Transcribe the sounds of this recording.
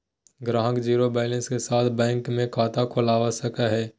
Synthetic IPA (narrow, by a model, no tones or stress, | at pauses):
ɡɾaːɦəkd͡ʒiːɾobɛːlə̃nskesaːt̪ʰbɛ̃ːŋkmẽkʰaːt̪ʰakʰʊlaːʋasɐkaɦɛː